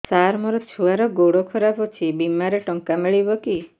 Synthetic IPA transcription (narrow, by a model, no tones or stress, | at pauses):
saɾmɔɾɔt͡ʃʰuaɾɔɡoɽokʰɔɾabɔt͡ʃʰibimaɾeʈɔŋkamiɭibɔki